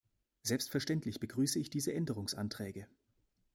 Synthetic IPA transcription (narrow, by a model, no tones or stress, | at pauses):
z̥ɛlpstfɛɐʃtɛntlɪçb̥əɡʁyːsəɪçd̥iːzəʔɛndəʁ̞ʊŋsʔa̰ntʁ̥ɛːɡə